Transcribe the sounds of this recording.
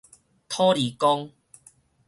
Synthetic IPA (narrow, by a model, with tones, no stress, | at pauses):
t̪ʰɔ˦ɾi˨kɔ˦ŋ